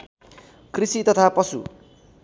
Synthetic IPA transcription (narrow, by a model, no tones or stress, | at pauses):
krisit̪ʌt̪ʰapʌsṵ